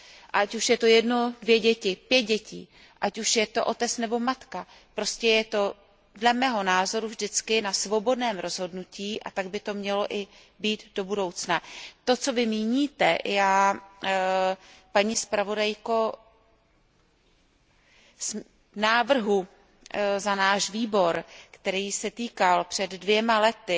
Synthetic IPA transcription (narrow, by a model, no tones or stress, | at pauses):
ʔacuʃjɛt̪o̞jɛdnodvjɛɟɛcɪpjɛt̪̚ɟɛcḭː | ʔacuʃjɛt̪o̞ʔo̞t̪ɛt͡snɛbo̞mat̪ka | pɾo̞scɛjɛt̪o̞ | dlɛmɛːɦo̞naːzo̞ɾuvʒdɪt͡skɪnasvo̞bo̞dnɛːmɾo̞zɦo̞dnuciːʔa̰t̪aɡ̚bɪt̪o̞mɲɛlo̞ʔɪ | biːt̪do̞budo̞wt͡snat̪o̞t͡so̞vɪmiːɲiːt̪ɛʔjaː | paɲiːspɾavo̞dajko̞ | s | naːvr̩ɦu | zanaːʃviːbo̞ɾkt̪ɛɾiːsɛt̪iːkalpr̝̥ɛdːvjɛmalɛt̪ɪ